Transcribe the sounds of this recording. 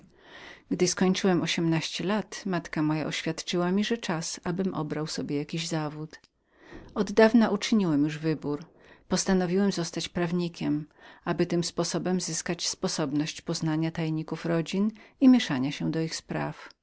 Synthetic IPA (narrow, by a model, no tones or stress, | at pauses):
ɡd̪ɘskɔɲt͡ʂɘwɛmɔɕɛmnaɕt͡ɕɛlat̪mat̪kamɔja̰ʔɔɕfʲjat̪t͡ʂɘwamʲiʐɛt͡ʂasabɘmʔɔ̰bɾawsɔbʲjɛjakʲiʑzavut̪ | ɔd̪ːavnaʔut͡ʂɘɲiwɛmjuʐvɘbuɾ | pɔst̪anɔvʲiwɛmzɔst̪at͡ɕpɾavɲikʲɛmabɘt̪ɘmspɔsɔbɛmzɘskat͡ɕspɔsɔbnɔɕt͡ɕpɔznaɲat̪ajɛɲikufɾɔd͡ʑinimʲjɛʂaɲaɕɛd̪ɔixspɾaf